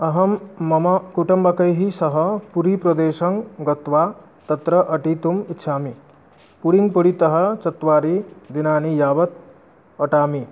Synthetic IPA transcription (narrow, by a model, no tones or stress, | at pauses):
ɐɦɐmːɐmɐkuʈɐmbɐkɐjɦisɐɦɐpuɾiːpɾɐd̪eːʃɐŋɡɐt̪ʋaː | t̪ɐt̪ɾɐʔɐʈiːt̪umitːʃʰaːmi | puɽiŋɡpuɽit̪ɐɦɐt͡ʃɐt̪ʋaːɾid̪inaːnijaːʋɐt̪̚ | ɐʈaːmi